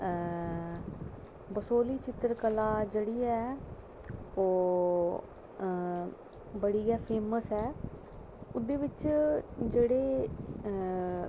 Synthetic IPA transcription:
bəsoːliːt͡ʃɪt̪ɾkəlaːd͡ʒeːɽiːɛː | oː | bəɽiːɛːpʰeːməsɛː | ʊd̪eːʋɪt͡ʃd͡ʒeːɽeː

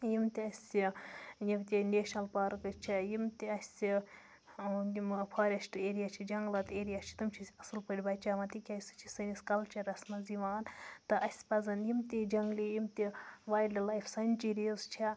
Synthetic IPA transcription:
jimt̪iɐsʲijibt̪ʲineːʃnɐlpɐɾkɨt͡ʃʰijimt̪iɐsʲi | jimpʰɐɾʲesʈeːɾijaːt͡ʃʰid͡ʒɐŋɡlɐt̪eːɾijaːt͡ʃʰi̥t̪umt͡ʃʰisʲɐsɨlpɐɾʲibɐt͡ʃaːmɐt̪ikʲɐsɨ̥t͡ʃʰisɐniskɐlt͡ʃʰɐɾɐsmɐziʋaːnt̪ɨʔɐsʲpɐzɐnjimt̪id͡ʒɐŋɡlijimt̪iʋaːjɖlilɐjfʰsɐnʲt͡ʃiɾizt͡ʃʰi

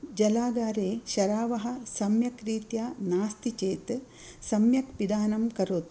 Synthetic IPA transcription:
d͡ʒɐlaːɡaːɾeːʃɐɾaːʋɐɦɐ̆sɐmjɐkɾiːt̪jaːnaːst̪it͡ʃeːt̪ | sɐmjɐkpid̪aːnɐmkɐɾoːt̪

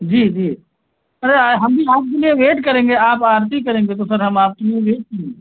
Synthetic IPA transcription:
d͡ʒiːd͡ʒiː | əɾeɦəmbʱiaːp̚kelieʋeːʈkəɾẽŋ̆ɡeaːpaːɾt̪ikəɾẽːŋɡet̪osəɾɦəmaːp̚kelieʋeːʈ̚kəɡee

